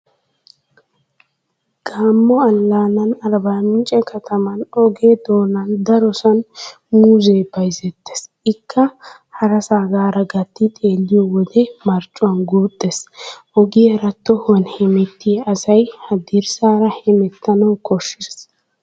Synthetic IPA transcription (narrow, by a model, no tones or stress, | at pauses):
ɡ̥aːmːɔɐlːaːnɐnɐɾbaːmɪnt͡ʃʼɛkɐt̪ʰɐmɐnɔɡeːd̪oːnɐnd̪ɐɾɔsɐn | muːzeːbɐjzɛt̪ːe̥s | ɪkːɐ | hɐɾɐsaːɡaːɾɐɡɐt̪ːɪt̪ʼe̞ːlːɪjɔwɔd̪ɛmɐɾt͡ʃʼːʊwɐnɡuːd̪̥ːɛsʔɔɡɪɛɾɐt̪ːɔhʊɐnhɛmɛt̪ːɪɐsɐjhɐd̪iɾsaːɾɐhɛmɛt̪ːɐnɐwkʰɔʃːɪɾs